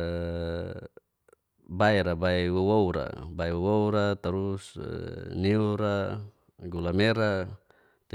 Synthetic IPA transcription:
baiɾabaiwowouɾa̰baiwowouɾat̪aɾus | niuɾa | ɡulameɾa | t̪

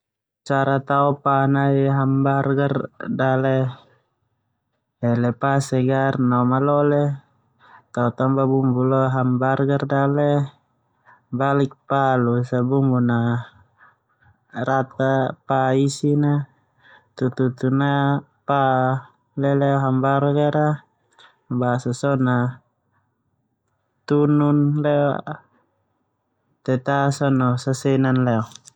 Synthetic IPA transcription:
t͡ʃaɾat̪aɔpanaiɦambarɡardalɛ | ɛlɛpasɛɡarnɔmalɔlɛ | t̪aut̪ambabumbulɔɦambarɡardalɛ | balik̚palusabumbuna | ɾat̪apaisina | t̪ut̪ut̪una | pa | lɛlɛɔɦambarɡaɾa | basasɔna | t̪ununlɛɔ | t̪ɛt̪asɔnɔsasɛnanlɛɔ

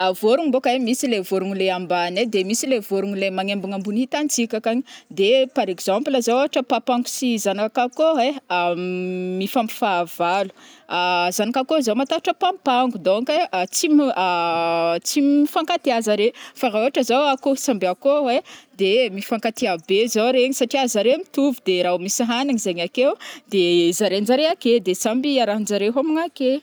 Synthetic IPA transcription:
avoɾuŋibokaemisilevoɾuŋileambaned̪emisilevoɾuŋilemaŋembuŋambunit̪ant͡sikʲakaɲid̪epaɾekz̥ãmplazaoaʈ͡ʂəpapaŋɡu̥sizanakkakoe | mifampi̥faːv̥alu̥azanakakozawmat̪aaʈ͡ʂəpampaŋɡud̪oŋket͡sima | t͡simifaŋkat̪iazaɾefaɾaoaʈ͡ʂəzawakosambeakowed̪emifaŋkat̪iabezawɾeɲisaʈ͡ʂiazaɾemit̪uvud̪eɾaumisiɦanaɲizaɲakewd̪̥ezaɾend͡zaɾeaked̪esambiaɾaɦnd͡ʒaɾeɦamiŋake

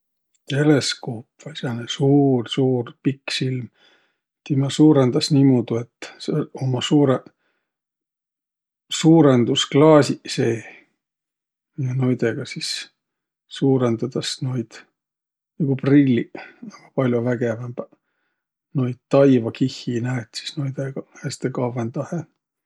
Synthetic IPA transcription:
t̪e̞le̞skoːpvɑisenesuːrsuːrpiksilm | t̪imɑsuːɾend̪̥ɑsniːmod̪̥ue̞t̪ːsomɑsuːɾe | suːɾend̪usklɑːsʲiseː | jɑno̞jd̪eɡ̥ɑsis | suːɾend̪ɑt̪ɑsnojd̪̥ | niɡ̥uprilʲːiɑm̥ɑpɑlʲjovæɡevæmb̥ | nojd̪̥̚t̪ɑjvɑkihːinæːt̪si̥snojd̪eɡ̥ɑhæst̪ekɑvend̪ɑhe

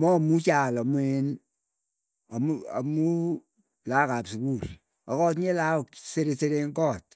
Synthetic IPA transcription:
mɔmut͡ʃalamwen | amua̰mu | lakapsukuɾ | ɔkɔt̬ɲelakseɾeseɾeŋkɔt̚

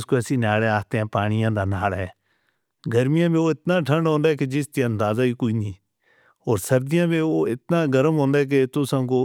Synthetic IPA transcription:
skoɛsiːnaːɽeaːst̪eːãːpaːɽ̃ɪjãːd̪aːnaːlɦɛ̰ː | ɡəɾmɪjãːbẽoːɪt̪naːʈʰə̃ɳɖɦõːnd̪aɦɛːked͡ʒɪst̪iə̃nd̪aːzaːiːkoːiniː | ɔːɾsəɾd̪ɪjãːbẽːoːɪt̪̚naːɡəɾəmɦõːnd̪aːɛːk̬et̪ʊsãːkoː

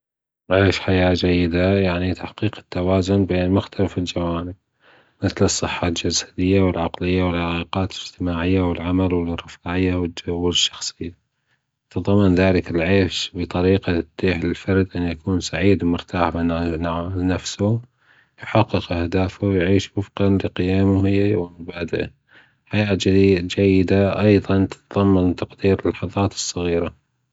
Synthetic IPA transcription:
ʕeːʃħajaːd͡ʒajːɪd̪ajaʕnit̪ʰaħqiːqɪ̥t̪ːawaːzʊnbeːnmʊxt̪ʰalafɪld͡ʒawaːnɪb̚ | mɪθlɨsˤːɨħːald͡ʒasḁd̪ɪjːawɪlʕaqlɪjːawɪlħaɣiːqɑːt̪lɪd͡ʒt̪ɪmaːʕɪjːawɪlʕamalwɪrˤɪfaːʕɪjːawɪwɪʃːɑ̥xsˤɨjːa | t̪ɨðˤɑmːɪnðaːlɪkɪlʕeːʃbɨt̪ˤɑɾiːqad̪̥iːħlɪlfɑɾˤd̪ʔanjakuːnsaʕiːd̪mʊɾt̪ʰaːhba | nafsu | jħɑqːɨqʔahd̪aːfuwjʕiːʃwʊfqɑnlɪqɪjaːmuhɪjːawɪmʊbaːd̪aʔa̰ | ħajaːd͡ʒd͡ʒajːɪd̪aʔɑjðˤɑnt̪ɪ̥t̪ðˤɑmːant̪ɑqd̪iːɾɪlħɑðˤɑːt̪ɨ̥sˤːɑɣiːɾa

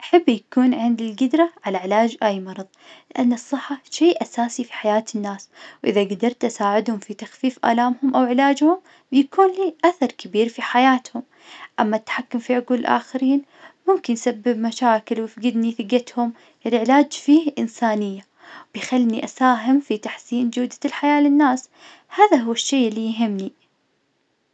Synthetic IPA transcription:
ʔaħabːjakuːnʕɪnd̪ɪlɡɪd̪ɾˤaʕalaʕɪlaːd͡ʒʔaːjmɑɾˤɑðˤlɪʔanːɨsˤːɨħːaʃeːʔasaːsifi̥ħajaːt̪ɪnːaːswʔɪðaɡad̪ɑɾˤt̪ʔasaːʕɪd̪hʊmfit̪axfiːfʔa̰ːlaːmhʊmʔawʕɪlaːd͡ʒhʊm | bjakuːnliːʔaθɑɾˤkabiːɾfiħajaːt̪hʊm | ʔamːat̪ːḁħakːʊmfiʕʊɡuːllʔa̰ːxaɾiːn | mʊmkɪnsabːɪbmaʃaːkɪlwɪfɡɪd̪niθɪɡat̪hʊm | ʔɪlʕɪlaːd͡ʒfiːhʔɪnsaːnɪjːa | wb̥jxalːniʔasaːɦɪmfit̪aħsiːnd͡ʒʊːd̪alħajaːlɪnːaːs | haːðaɦʊwːɪʃːeːʔɪlːijɦɪmːni

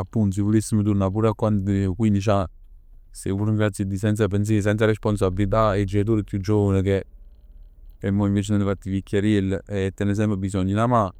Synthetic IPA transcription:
apːunt̪s̬ivolisːimot̪̬uɾnap̬uːɾakwankwinit͡ʃa | sevuɾiŋɡɾat̪sid̪isɛnt̪s̬ap̬ens̬es̬ɛnt̪saɾespons̬abilit̪aed͡ʒet̪̬oːɾipjud͡ʒːovanek̬e | emːɔiɱveːt͡ʃenonəfat̪ːivikʲːaɾilɛt̪ːɛnes̬ɛmpɾbisɔɲːinama

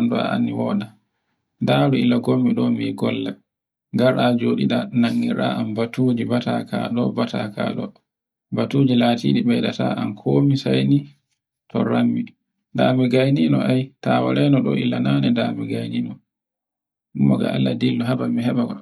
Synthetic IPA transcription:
ndua̰a̰nːiwɔɗa | daːɾuilːaɡomːiɗɔmiɡɔlːa | ɡaɾʔad͡ʒoɗiɗanaŋːiɾa̰ʔambatud͡ʒibata̰kaɗɔbata̰ka̰ɗɔ̰ | batud͡ʒilaːtḭːɗiɓɛɗata̰ʔankʰomisajni | tʰɔɾamːi | damɛɡajninɔʔajtawa̰ɾɛnɔɗɔ̰ʔilːananɛdamɛɡajninɔ | ɗumːɔɡa̰alːadilːɔɦabamiɦɛɓaɡɔ

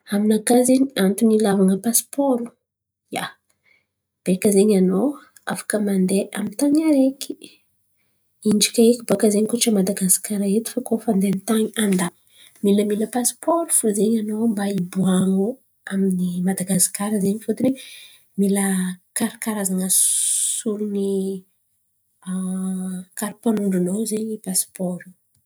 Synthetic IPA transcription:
aminakaziɲant̪unilavaŋəpaspoɾu | ja̰ | b̥ekəzeɲanow | a̰fḁkəmand̪eʔamint̪aɲaɾeki̥ | iɳd͡ʒi̥kaekʲibakəzeɲikuʈ͡ʂəmad̪aɡasi̥kaɾaet̪i̥fakofand̪ent̪aɲiand̪a | miləmiləpaspʰɔɾufuzeɲanombaibuano | aminimad̪aɡasi̥kaɾəzeɲifut̪une | miləkaɾikaɾazaŋəsuɾni | kaɾipanuɳɖ͡ʐunowzeɲipaspɔɾu̥

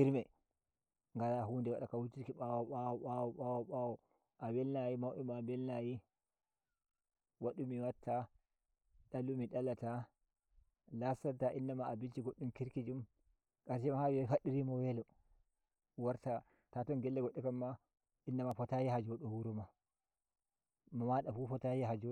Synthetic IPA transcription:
hiɾmɛ | ŋɡalaɦundɛwaɗakawutiɾkiɓawɔɓawɔɓawɔɓawɔɓawɔ | ʔawɛlnajimawʔimabɛlnaji | waɗumiwatʰːa | ɗalumiɗalata | lasataʔinːamaːbit͡ʃiɡoɗːumkiɾkid͡ʒum | kaɾsɛmahawɔfaɗːiɾimɔwɛlɔ | waɾta | tatɔnɡɛlːɛɡoɗːikamːa | inːamafɔtajihad͡ʒɔɗɔwuɾuma | mɔmaɗafufɔtajiɦad͡ʒɔ

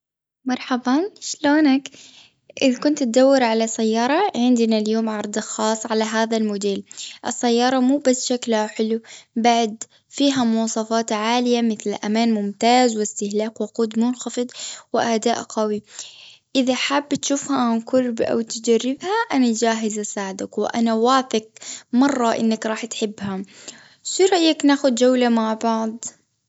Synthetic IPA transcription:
mɑɾˤħɑbɑːnʃloːnak | ʔɪðakʊnt̪t̪̚d̪awːɪɾʕalasajːɑːɾˤɑʕɪnd̪naljoːmʕɑɾˤd̪ˤxɑːsˤːʕalaɦaːðalmʊd̪eːlʔɪsːajːɑːɾˤɑmuːbasːʃaklhaħɪlubaʕd̪ | fiːɦamʊɑːsˤɑfɑːt̪ʕaːlɪjamɪθlʔamaːnmʊmt̪aːzwɪst̪ɪhlaːqwʊquːd̪mʊnxɑfɨd̪wɪʔad̪aːʔqɑwiʔɪðaħabːt̪ʃuːfhaʕanqʊɾbʔa̰wt̪d͡ʒarːɪbhaʔanad͡ʒaːɦɪzasaːʕd̪akwɪʔa̰nawaːθɪqmɑrˤːɑʔɪ̰nːakɾˤɑːħt̪ħɪbːha | ʃiɾˤɑʔjːaknaːxʊd̪d͡ʒawlamaʕbɑʕd̪ˤ

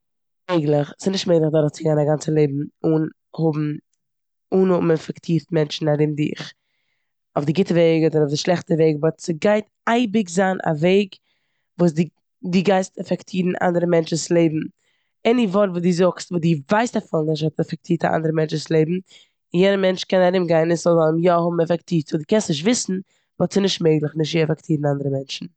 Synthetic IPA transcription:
eɪɡlˠɪχsɪnɪʃtmeɪɡləχdɔɾəχt͡sɪɡaɪnaɡant͡səlˠeɪbm̩un | hʊbm̩ | uːnʊmɪnfɛktʰiːɾtmɛnt͡ʃn̩aɾɪmdɪ̰χ | ʊfdɪɡɪtəveɪɡdɔnʊfdɪʃlˠɛχtəveɪɡəvɔsɪɡaɪt | aɪbɪkzaːnʔa̰veɪɡ | vuːsdɪ | dɪɡaɪstɛfɛktʰiːɾn̩ʔa̰ndəɾəmɛnt͡ʃn̩slˠeɪbm̩ | ɛnivɔɾtvuːdiːzʊkstvuːdiːvaɪstafɪlˠnɪʃ̬hɔtɛfɛk̚tʰiːta̰ʔa̰ndəɾəmɛnt͡ʃnslˠeɪbm̩ | ɪnjɛdəmɛnt͡ʃkɛnaɾɪmɡaɪnɪsɔlˠzaləmjɔhʊbm̩ɛfɛktiːft͡sodiːkɛnstnɪʃ̬tvɪsn̩ | vɔtsɪnɪʃtmeɪɡlˠəχnɪʃtiɛfɛktʰiːɾn̩andəɾəmɛnt͡ʃn̩

